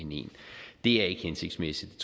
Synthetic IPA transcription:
enḛːnd̥e̝æɐe̝ɡ̥əhense̝ɡ̥̚smesid̥t͡sʰ

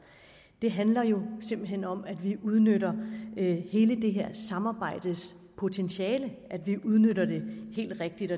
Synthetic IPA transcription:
d̥e̝ɦænlɐjo̝se̝mb̥l̩ɦenɒ̽mæd̥ʋiʔuð̞ˠnøɾɐ | he̝ːləd̥e̝ɦe̝ɐ̰sɑ̈mɑ̈ːb̥ɑ̈ɪ̰d̥əs | pʰo̝t͡sʰenɕiɛːləʔæd̥ʋiʔuð̞ˠnøɾɐd̥e̝he̝̰ːld̥ʁeɡ̥̚d̥id̥ɒ

